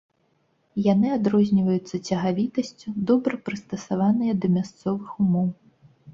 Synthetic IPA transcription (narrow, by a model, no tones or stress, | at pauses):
janɨad̪ɾɔzʲnʲivɐjut̪sːɐt͡sʲɐɣavʲit̪ɐsʲt͡sʲud̪ɔbɾɐpɾɨst̪ɐsavanɨjɐd̪ɐmʲast̪sɔvɨxumɔw